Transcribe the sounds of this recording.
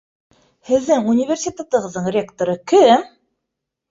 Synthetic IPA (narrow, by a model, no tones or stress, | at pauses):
hɘ̆ðːɘŋunʲivʲerʲsʲit̪ʲet̪ɤ̆ʁɤ̆ðːɤɴrʲekt̪oɾɤkɘm